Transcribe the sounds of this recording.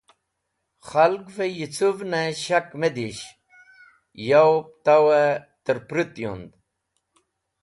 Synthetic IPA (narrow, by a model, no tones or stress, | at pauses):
χɐlɡvejit͡suvneɕɐkmed̪iɕ | jawp̚t̪awet̪əɾpɾit̪jṵnd̪